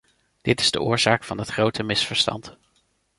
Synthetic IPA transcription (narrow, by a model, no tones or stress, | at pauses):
d̥ɪtɪ̥zdə̰ʊːɹz̥aːkfɑndɑtχrowtəmɪsfəɹstɑ̰nt